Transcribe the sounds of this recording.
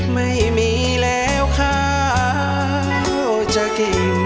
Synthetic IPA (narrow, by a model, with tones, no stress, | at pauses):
ma˧˩jmiː˧˦ | lɛː˦wkʰaː˧˥˩ | o˧˩t͡ɕa˧ki˨˩